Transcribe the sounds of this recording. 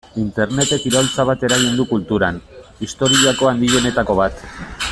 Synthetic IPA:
int̪e̞ɾne̞t̪e̞kiɾolt͡saβat̪e̞ɾaɣind̪ukult̪uɾanist̪o̞ɾiako̞and̪io̞ne̞t̪ako̞β̞at̪

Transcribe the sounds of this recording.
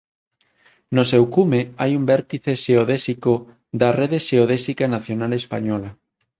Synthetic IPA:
nosewkumeajumbɛɾt̪iθeʃeoðesiko | ðareðeʃeoð̞esikanaθjonalespaɲɔla

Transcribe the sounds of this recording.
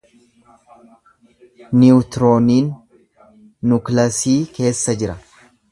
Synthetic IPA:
nɪʊt̪ɾoːniːn | ʊklɐsiːke̞ːsːɐd͡ʒɪɾɐ

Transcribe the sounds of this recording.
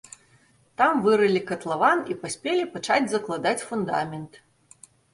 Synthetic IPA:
t̪amvɨɾɨlʲikɐt̪lˠavanipasʲpʲɛlʲipat͡ʂad͡zʲzɐklˠad̪at͡sʲfund̪a̰mʲɛnt̪

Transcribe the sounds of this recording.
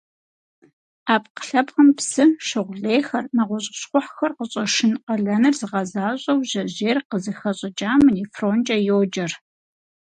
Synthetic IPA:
aːpqə̥ɬɐpqɐmpsɨʃɨʁʷʊɮeːxɐrnɐʁʷɔɕʼɪɕχʷʊħxɐrqəɕʼɐʂɪnqɐɮɐnɨrzɨʁɐzaːɕʼɐwʑɐʑeːrqəzɨxɐɕʼɐd͡ʒʼaːmɨniːfroːnt͡ʃʼɐjoːd͡ʒɐr

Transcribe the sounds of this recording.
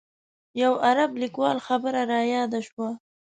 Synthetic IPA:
jawaɾablikwɑlxabəɾaɾɑjɑd̪aʃwa

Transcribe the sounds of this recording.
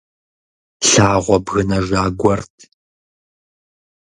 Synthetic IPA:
ɬaːʁʷɔbɣɨnɐʒaːɡʷɔrtʰ

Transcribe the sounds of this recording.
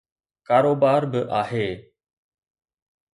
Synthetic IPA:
kaːɾoːbaːɾbɪʔaːɦeː

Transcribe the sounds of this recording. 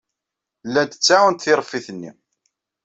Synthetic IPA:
lːænd̪ət͡sːaənt̪θɪɾˤfːiθənːḭ

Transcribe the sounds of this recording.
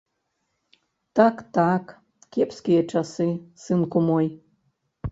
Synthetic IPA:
t̪ɑkt̪ɑk | kʲepskʲijet͡ʃɑsɨsɨnkumoj

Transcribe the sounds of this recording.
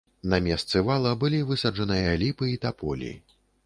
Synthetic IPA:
nɐmʲɛst̪sɨvalˠɐbɨlʲivɨsɐd͡ʐɐnɨjɐlʲipɨit̪apɔlʲḭ

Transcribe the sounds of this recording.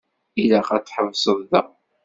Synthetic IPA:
ilæχæt͡sːħəvsˤəðˤðə̰

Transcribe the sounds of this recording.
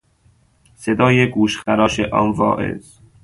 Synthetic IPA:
sed̪ɒːjeɡuːʃxæɾɒːʃeʔɒ̰ːnvɒ̰ːʔḛz̥

